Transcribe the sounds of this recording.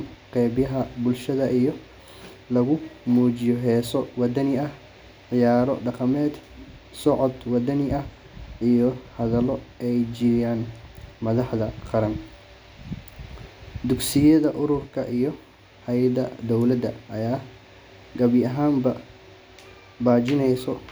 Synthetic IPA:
qɛːbjɐɦɐbʊlʃɐðɐʔijɔ | lɐɣʊmuːt͡ʃɪjɔɦɛːsɔwɑd̪ɐnɪɐh | ʕɪjaːɾɔ̰ɖɑqɑmɛːd̪sɔʕɔd̪wɑd̪ɐnɪʔɐh | ʔijɔhɐðɐlɔʔɛjd͡ʒɪjaːnmɐðɑħðɐqɑɾɐn | d̪ʊɡsɪjɐðɐʔʊɾʊrkʰɐʔijɔ | hɛjɐd̪ɐ̰d̪ɔwlɐd̪ɐɐjaː | ɡɐβɪɐɦaːmbɐ | baːt͡ʃɪnɛjsɔ

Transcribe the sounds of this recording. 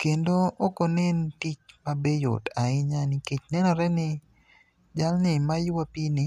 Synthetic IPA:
kendoːkonentit͡ʃmabejʊ̰taɪɲaniket͡ʃnɛnɔɾɛnɪ | d͡ʒalnɪmajwapinɪ

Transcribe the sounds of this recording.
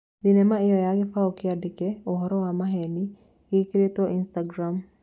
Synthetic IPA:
d̪ɪnɛmaɪjɔjaɡɪfaokɪadɪkɛɔɦɔɾɔwamaɦɛni | ɡikɾet̪ɔʔinst̪aɡɾam

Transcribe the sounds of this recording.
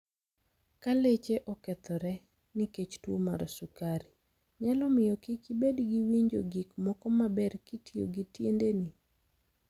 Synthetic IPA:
kalet͡ʃeʔɔkɛt̪ɔɾɛ | niket͡ʃtwomaɾɔsukaɾi | ɲalɔmɪjɔkɪkɪbedɡiwiɲd͡ʒo̰ɡikmɔkɔmabɛrkitio̰ɡitjendeni

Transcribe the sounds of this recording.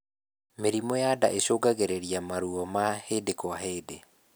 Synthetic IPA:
meɾimɔjada̰ʔeɕoɡaɣeɾeɾiamaɾuɔmahedekoaɦeːde

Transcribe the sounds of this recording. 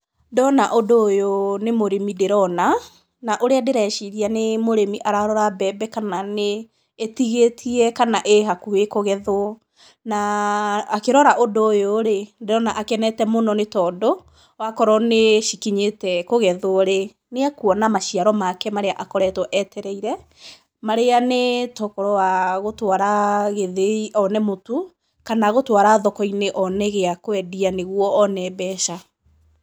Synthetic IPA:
dɔnaʔodojonemoɾemideɾɔna | naʔoɾeadeɾɛʃiɾianemoɾemiʔaɾaɾɔɾabɛbɛkananeː | tiɣetʰiɛkanaʔeɦakuekoɣɛðo | naː | keɾɔɾaʔodojoɾedeɾɔnaʔakɛnɛtɛmonɔnetɔːdo | wakɔɾɔneʃikiɲetɛkoɣɛðoɾe | neakuɔnamaʃiaɾɔmakɛmaɾeaʔakɔɾɛtɔʔɛtɛɾɛiɾɛ | maɾeanetɔkɔɾɔwaɣotwaɾaɣeðeiʔɔnɛmotu | kanaɣotwaɾaðɔkɔineʔɔnɛɣeakoɛdianeɣwɔːnɛbɛʃa

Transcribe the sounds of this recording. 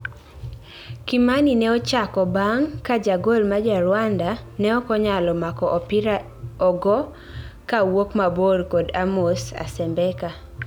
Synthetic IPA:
kimaninɛɔt͡ʃakɔbaŋkad͡ʒaɡolmad͡ʒaɾwandanɛɔkɔɲalɔmakɔʔɔpiɾa | ɔɡɔ | kawokmaborkodamosa̰sɛmbɛka

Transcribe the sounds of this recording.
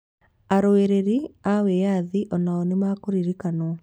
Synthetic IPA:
aɾoeɾeɾiawejaðiʔɔnaɔnemaːkoɾiɾikanɔ

